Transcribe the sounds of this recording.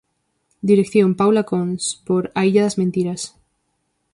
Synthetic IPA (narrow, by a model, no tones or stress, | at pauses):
d̪iɾekθjompawlakonspoɾaiʎaðazmẽnt̪iɾas